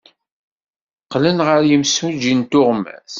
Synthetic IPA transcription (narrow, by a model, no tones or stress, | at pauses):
qlənʁəɾjəmsud͡ʒint̪ʊʁmːæ̰θ